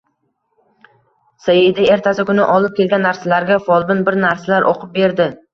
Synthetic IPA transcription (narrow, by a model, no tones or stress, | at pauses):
sajɪd̪ɪe̞ɾt̪ʰasɪkʊnɪ̰ʔɒlˠɪp̚kʲʰe̞lɡʲanːaɾsalaɾɡʲafɒlˠbɪnbɪɾnaɾsalaɾʔo̰qʰʊp̚be̞ɾd̪ɪ